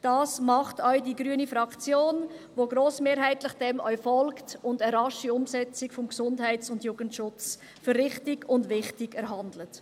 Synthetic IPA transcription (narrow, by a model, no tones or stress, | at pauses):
d̥ɑːsmɑχtœʏdiːɡɾyənifɾɑkt͡sjoːnʋoːɡɾoːsmeːɾɦæɪtlɪχd̥ɛmœ̰ʏfɔlktʊndəɾɑʃiʊmsɛt͡sɪkfɔmksʊndhɛɪt͡sʊndjuːɡ̥əntʃʊt͡s | fʏɾːɪχtɪɡʊndʋɪχtɪɡɛɾɦɑndlət